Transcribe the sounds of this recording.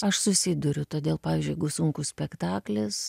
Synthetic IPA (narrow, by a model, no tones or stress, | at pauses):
ɐʃsʊsʲɪd̪ʊɾʲʊt̪oːd̪ʲeːlˠpɑːʋʲiːzʲd͡ʒʲʊjɛɡʊsʊŋkʊssʲpʲɛkt̪ɑːklʲɪs